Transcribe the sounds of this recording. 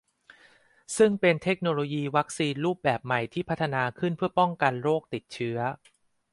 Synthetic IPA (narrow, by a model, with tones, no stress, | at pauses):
sɯ˥˩ŋpe˧nt̪ʰe˦˥k̚noː˧loː˧jiː˧wa˦˥k̚siː˧nɾuː˥˩p̚bɛː˨˩p̚ma˨˩jt̪ʰiː˥˩pʰa˦˥t̪ʰːa˧naː˧kʰɯ˥˩npʰɯ˥˩ɐpɔ˥˩ŋka˧nɾoː˥˩k̚t̪i˨˩t̪̚t͡ɕʰɯ˦˥ɐ